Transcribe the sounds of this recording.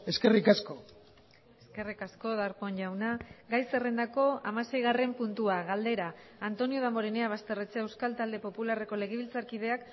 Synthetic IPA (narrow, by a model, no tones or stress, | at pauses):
e̞skerikasko̞ | eske̞rikasko̞ðaɾpo̞ɲʝawnaɡajse̞re̞nd̪ako̞amase̞jɣare̞mpunt̪uaɣald̪e̞ɾaːnt̪o̞nio̞ð̞amo̞ɾeneaβ̞ast̪e̞ret͡see̞wskalt̪ald̪e̞po̞pulare̞ko̞le̞ɣ̞eβ̞ilt͡saɾkið̞e̞ak